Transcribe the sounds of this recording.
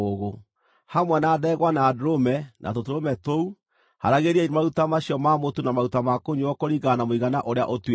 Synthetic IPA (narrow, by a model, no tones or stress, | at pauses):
oɣo | hamwɛnaːðɛːɣwanaːdoɾomɛnʔa̰totoɾomɛtou | ha̰ɾaɣeɾiaiɾmaɾutamaɕiɔmamotunamaɾutamakoɲuɔkoɾiɣanamoiɣanaʔoɾea̰ʔot